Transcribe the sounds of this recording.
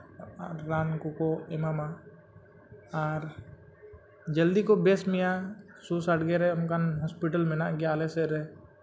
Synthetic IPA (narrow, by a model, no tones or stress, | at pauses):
ɾːaːnkukoɪmama | aːɾ | d͡ʒəld̪ikobeːsmɪja | susəʈɡeɾeʊnkaɦɔːspɪʈəlmɪnaɡjaːleseɾɛ